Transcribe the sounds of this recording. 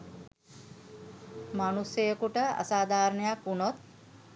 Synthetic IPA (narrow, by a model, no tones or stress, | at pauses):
manusjəjəkuʈəa̰saːd̪ʱaːɾnəjakunot̪̚